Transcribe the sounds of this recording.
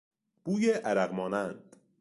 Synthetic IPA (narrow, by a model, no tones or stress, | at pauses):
b̥uːjeʔæɾæɣmɒːnænd̪̥